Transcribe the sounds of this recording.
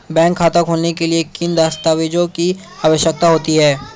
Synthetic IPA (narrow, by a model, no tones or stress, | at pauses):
bɛ̃ːŋkʰːaːt̪əkɦoːnekeliekɪnd̪aːst̪aːʋed͡ʒõki | aːʋəʃjək̚t̪aɦoːt̪iɦɛː